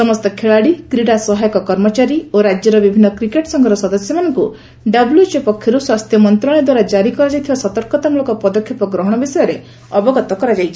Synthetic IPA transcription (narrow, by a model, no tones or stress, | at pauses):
sɔmɔst̪ɔkʰeɭaɽikɾiɽasɔɦajɔkɔkɔɾmɔt͡ʃaɾioɾad͡ʒjɔɾɔbibʱinːɔkɾikeʈsɔŋɡʱɔɾɔsɔd̪ɔsjɔmanɔŋku | ɖabuljut͡ʃepɔkʰjɔɾuswast̪ʰjɔmɔnt̪ɾɔɽ̃ɔd̪waɾad͡ʒaɾikɔɾad͡ʒajt̪ʰibasɔt̪ɔɾkɔt̪amulokɔpɔd̪ɔkʰːjepɔɡɾɔɦɔɽ̃ɔbisɔjɔɾe | ɔbɔɡɔt̪ɔkɔɾad͡ʒajt͡ʃʰi̥